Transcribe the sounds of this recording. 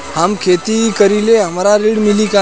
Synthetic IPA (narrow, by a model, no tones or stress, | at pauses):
hamkʰet̪ikəɾileɦəmɾaɾiɽmilika